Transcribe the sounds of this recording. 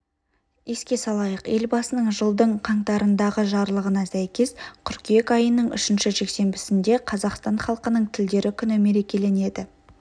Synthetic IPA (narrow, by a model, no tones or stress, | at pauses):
e̞skʲe̞sɑlˠɑjəqe̞lbɑsənəɴʒəlˠd̪əɴqʰɑɴt̪ɑɾənd̪ɑʁəʒɑɾlˠəʁənɑsæjkʲe̞skʲʰʏɾkʲekɑjənəɴʏ̰ʃɪnʃɪʒe̞kse̞mbɪsɪnd̪e̞qʰɑzɑqst̪ɑɴχɑlˠqənəɴt̪ʰɪld̪e̞ɾɪkʲʰʏnɪme̞ɾe̞kʲe̞le̞ne̞d̪ɪ